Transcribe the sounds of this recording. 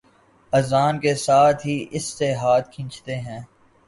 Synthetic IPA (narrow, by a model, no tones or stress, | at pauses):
ɐzaːnkesaːt̪ʰɦiːʔɪsːeɦaːt̪̚kʰɪ̃nt͡ʃt̪eɦɛ̃ː